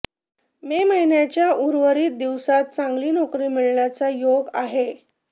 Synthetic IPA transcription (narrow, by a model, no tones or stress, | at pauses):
meməɦinjat͡ɕjaʔuɾʋəɾiːt̪̚d̪iʋsat̪̚t͡sãŋɡliːnɔkɾiːmiɭɳjat͡sajoɡaɦe